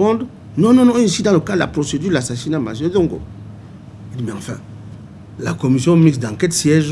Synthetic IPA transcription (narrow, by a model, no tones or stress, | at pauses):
ɔ̃nd | nɔ̃nɔ̃nɔ̃ĩnsidãləkadla̰pɾosedylasasinama̰zzɔ̃ŋɡo̰ | idibiãfɛ̃ | la̰kɔmisjɔ̃miksdãŋkɛtsjɛʒ